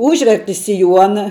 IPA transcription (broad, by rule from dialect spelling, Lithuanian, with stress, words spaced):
ˈuːʒʲʋʲɛrʲtʲɪ sʲɪˈjuɔnɐ